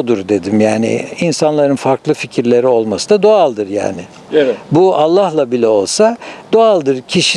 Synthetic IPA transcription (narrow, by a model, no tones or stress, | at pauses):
d̪uɾd̪e̞d̪imjaːnɪ̰insanlˠaɾɯnfaɾklˠɯficʰiɾlʲe̞ɾio̞lˠmasɯd̪ad̪o̞alˠd̪ɯɾja̰ːnɪ | bualˠːahlˠabilʲɛo̞lˠsad̪̥o̞alˠd̪ɯɾcʰiʃi